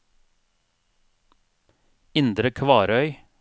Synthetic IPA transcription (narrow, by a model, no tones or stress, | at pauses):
ɪnd̪ɾəkʰʋɑːɾœʏ